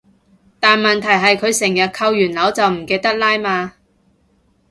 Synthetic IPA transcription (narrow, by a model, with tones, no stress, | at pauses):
t̪aː˨nmɐ˨nt̪ʰɐ˨˩jɦɐ˨jkʰɵ˨˧ɥsɪ˨˩ŋjɐ˨t̚kʰɐ˧wjyː˨˩nlɐ˨˥wt͡sɐ˨wm̩˨˩keː˨˧jt̪ɐ˥k̚laː˥jmaː˧